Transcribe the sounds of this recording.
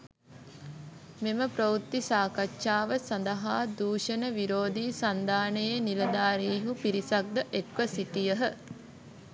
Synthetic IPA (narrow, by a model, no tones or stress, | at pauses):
meməpɾəut̪ːisaːkatːʃaːʋəsɐnd̪əɦaːd̪uːʃənəʋiɾoːd̪iːsand̪aːnəjenilɐd̪aːɾiːɦupiɾisak̚d̪əʔekʋəsit̪ijəɦə